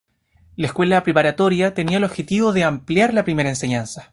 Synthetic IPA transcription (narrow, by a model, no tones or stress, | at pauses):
laeskwe̞lapɾepaɾat̪o̞ɾjat̪e̞niaelo̞βxe̞t̪iβoðeampljaɾlapɾime̞ɾaense̞ɲansḁ